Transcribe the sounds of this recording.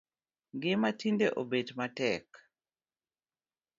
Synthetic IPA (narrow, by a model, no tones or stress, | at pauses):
ɡɪmatindeʔobedmatɛk